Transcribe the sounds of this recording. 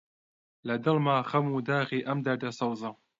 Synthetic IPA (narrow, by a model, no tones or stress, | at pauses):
lɐd̪ɨlmaːxɐmuːd̪aːɣiːʔɐmd̪ɐɾd̪ɐsɑwzɨ